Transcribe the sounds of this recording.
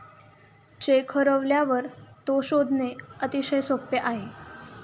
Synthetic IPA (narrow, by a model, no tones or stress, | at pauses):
t͡ɕekʰəɾəʋljaʋəɾt̪oɕod̪ʱneət̪iɕəjsopjəʔaɦe